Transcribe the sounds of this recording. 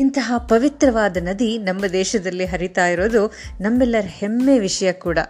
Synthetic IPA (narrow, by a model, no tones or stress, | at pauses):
int̪ɐɦɐpɐʋit̪ɾɐʋaːd̪ɐnɐd̪inɐmːɐd̪ɛːʃɐd̪ɐlːiɦɐɾit̪aːjiɾoːd̪unɐmːɛlːɐɾɐhemːeːʋiʂɐjɐkuːɽɐ